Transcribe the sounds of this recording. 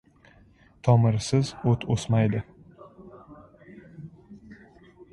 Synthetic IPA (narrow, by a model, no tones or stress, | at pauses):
t̪ʰɒmɪɾsɪzot̪ʰosmajd̪ɪ